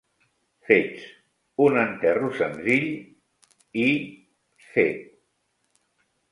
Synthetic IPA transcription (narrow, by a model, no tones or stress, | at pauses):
fet͡s | unənt̪ɛrusənziʎ | i | fe